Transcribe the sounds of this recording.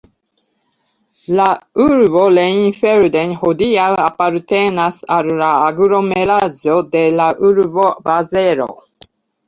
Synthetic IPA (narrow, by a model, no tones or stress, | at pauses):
lauɾboleinfeɾd̪enhod̪iawapaɾt̪enasallaːɡɾomeɾazod̪elaʔuɾvobazeɾo̰